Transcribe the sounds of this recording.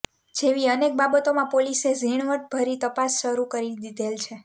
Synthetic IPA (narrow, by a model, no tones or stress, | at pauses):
d͡ʒeʋiənek̚babət̪omãpoliseziɳ̃ʋəʈ̚bʱəɾit̪əpasʃəɾukəɾid̪id̪ʱelt͡ʃʰe